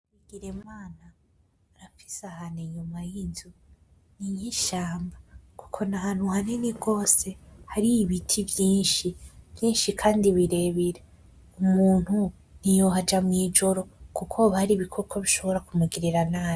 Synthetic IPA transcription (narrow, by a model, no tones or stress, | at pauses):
wiɡiɾe̞maːnaː | ɾafi̥sahaneɲumajizu | nijiʃaːmbaku̥kʰo̞nahaːn̥huhaneniɡo̞ːse̞haɾiːβitʰivjiːnʃivjiːnʃikʰaːndiβiɾe̞βiɾe | umuːn̥hu | n̥ijoɦad͡ʒamŋiːd͡ʒo̞ɾo̞kukʰoβahaɾiːβikʰokʰoβiʃo̞βo̞ɾakumuɡiɾiɾanaːj